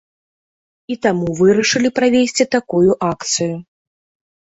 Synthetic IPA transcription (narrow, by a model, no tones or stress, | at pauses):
it̪amuvɨɾɐʂɨlʲipɾavʲesʲt͡sʲit̪akujuʔakt̪sɨju